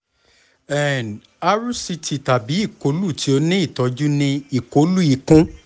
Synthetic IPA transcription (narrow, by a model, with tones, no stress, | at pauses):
ɛ˨n˨ | a˧ɾu˦si˧tʰi˧ta˨bi˨˦i˦˨ko˨˦lu˦˨tʰi˧˦o˧nĩ˦i˦˨tɔ˨˧d͡ʒu˦nĩ˧i˨ko˨˦lu˦i˨˧˨kũ˦